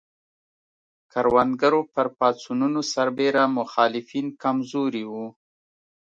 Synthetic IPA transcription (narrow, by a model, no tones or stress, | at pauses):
kaɾwand̪ɡaɾopəɾpɑt͡sununosaɾbeɾamʊxɑlɪfinkamzoɾiwu